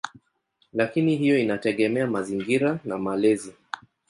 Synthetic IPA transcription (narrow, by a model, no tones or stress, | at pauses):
lakiniɦijɔinatɛɠɛmɛamaziŋɡiɾanamalɛzi